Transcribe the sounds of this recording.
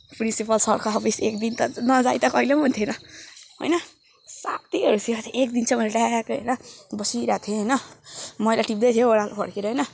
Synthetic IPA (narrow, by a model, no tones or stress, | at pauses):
pɾinsipʌlsʌɾkʰaɦːpʰisekd̪int̪ʌnʌd͡zajt̪ʌkʌilemunt̪ʰjenʌɦo̰jnʌ | sap̚t̪iɦʌɾusʰiat̪ʰiʔekd̪int͡sʰʌmʌleʈajakoɦʌ̰jnʌbʌsiɾat̪ʰjoɦʌjnʌmʌjlaʈip̚d̪ʌjt̪ʰjoːɽalpʰʌ̰ɽkeɾʌɦʌjnʌ